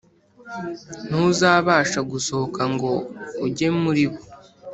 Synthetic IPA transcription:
n̥uzaːβaːʃaɡuso̞hokaŋɡo̞uɟe̞muɾiβo

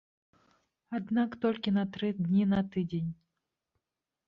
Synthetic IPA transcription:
ad̪nakt̪ɔlʲkʲinɐt̪ɾɨd̪nʲinɐt̪ɨd͡zʲenʲ

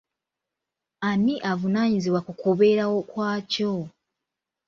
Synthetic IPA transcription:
amiʔavunaːɲiziβwakukuβe̞ːɾawo̞kwaːco

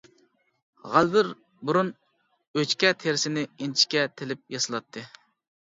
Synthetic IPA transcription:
ʁælvɪɾ | buɾun | øt͡ʃkʲɛt̪ʰeɾsɪnɪent͡ʃʰi̥kʲɛt̪ʰelɪp̚jɑsɨlˠɑt̪ʰːɨ

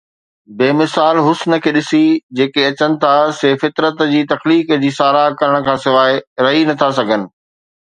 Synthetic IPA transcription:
beːmɪsaːlɦʊsnə̆kʰeːɗɪsid͡ʑeːkeɐt͡ɕənɪ̆t̪ʰaseːfɪt̪ɾət̪d͡ʑiːt̪ɐxliːkd͡ʑiːsaːɾakɐɾəɽ̃̆kʰãːsɪʋaːɪɾɐɦinɐt̪ʰasɐɡʱənɪ̆

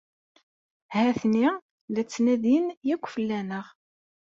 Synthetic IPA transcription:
hæθni | læt͡sːnæðinjækʷːfəlːænəʁ

